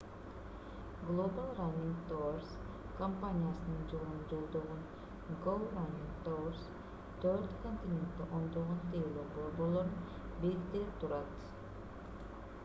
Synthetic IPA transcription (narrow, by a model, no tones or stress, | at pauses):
ɡlˠobalˠranʲːiŋɡt̪ors | kɐmpanʲijasɯnɯnd͡ʒolund͡ʒo̞lˠd̪oʁun | ɡowˠranʲiŋɡt̪ors | t̪ʰøɾt̪konʲt̪ʲɪnʲe̞nt̪k̪ːeʔo̞nd̪oʁont̪ejlˠoboɾbolˠo̞ɾn | beɾkʲik̚t̪elip̚t̪ʰuɾɑt̪